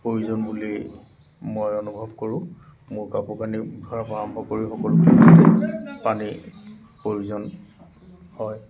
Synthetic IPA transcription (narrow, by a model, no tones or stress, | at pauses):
pɹoɹuzɔnbuli | mojɔnubʱɔbkoɹʊ̃ | mʊɹkapukanidʱɔɹapaɹɔmbʱɔkoɹixɔkɔlukititɛpani | poɹuzɔn | hɔj